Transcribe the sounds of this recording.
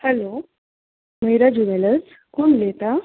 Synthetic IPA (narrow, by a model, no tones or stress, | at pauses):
hɛlo | məjɾad͡ʑuʋeləs | kuːɳlet̪a